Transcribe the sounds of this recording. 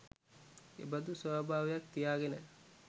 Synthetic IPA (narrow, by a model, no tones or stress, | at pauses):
ḛbəd̪usəbʱaːʋejakt̪ijaːɡenə